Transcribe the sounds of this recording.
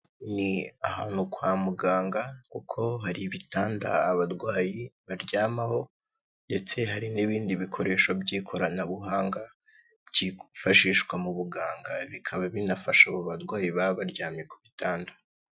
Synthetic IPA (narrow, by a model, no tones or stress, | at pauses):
niahaːn̥hukwaːmuɡaːŋɡakukʰo̞ɦaɾiβitaːnda̰ːβaɾwaːjiβaɾɟaːmaho̞ | nde̞t͡se̞ɦaɾiniβiːndiβikʰo̞ɾe̞ːʃobɟiːkʰo̞ɾanaβuɦaːŋɡa | bɟifaʃiːʃɡwamuβuɡaːŋɡaβikʰaβaβinafaʃaβoβaɾɡwaːjiβaβaɾɟaːmje̞ku̥βitaːndḁ